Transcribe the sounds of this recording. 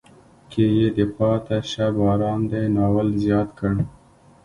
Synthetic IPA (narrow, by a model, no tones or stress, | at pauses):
kʰejed̪əpɑt̪aʃabɑɾɑnd̪ajnɑwəlzjɑt̪kəɽ